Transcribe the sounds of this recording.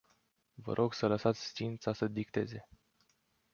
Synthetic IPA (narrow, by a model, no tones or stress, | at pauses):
və̰ɾʔo̞ɡsələsat̪sʲst̪int̪sasəd̪ikt̪e̞̰ze̞